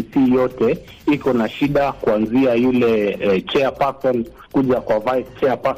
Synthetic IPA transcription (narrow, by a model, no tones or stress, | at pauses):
siːjɔtɛ | ikɔnaʃiɗakuanziajulɛt͡ʃɛapasɔn | kuʄakwavajst͡ʃɛapa